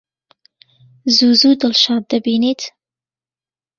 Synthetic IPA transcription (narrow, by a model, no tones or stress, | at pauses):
zuːzuːd̪ɨlʃɑːd̪̚ːɐbiːniːt̪ʰ